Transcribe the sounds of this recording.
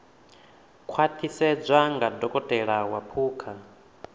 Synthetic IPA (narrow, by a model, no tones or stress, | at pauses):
kʰwat̪ʰisɛd͡zʷaŋɡadɔkʼɔtʼɛɺawapʰuːkʰa